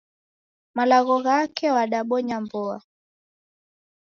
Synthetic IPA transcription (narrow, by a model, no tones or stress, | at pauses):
malaɣɔɣakɛwaɗaɓɔɲambɔa